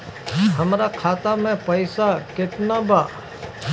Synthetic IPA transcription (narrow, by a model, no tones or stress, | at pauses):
ɦəmɾaːkʰaːt̪amẽpəɪsaːkɪʈnaːbaː